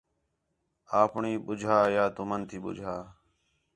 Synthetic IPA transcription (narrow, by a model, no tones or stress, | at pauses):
aːpɳiːɓʊd͡ʒʱaːjaːt̪ʊmənt̪ʰiːɓʊ̰d͡ʒʱaː